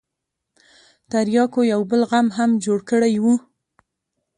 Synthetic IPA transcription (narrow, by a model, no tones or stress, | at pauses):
t̪aɾjɑkojawbəlɣamɦamd͡ʒoɽkəɽajwu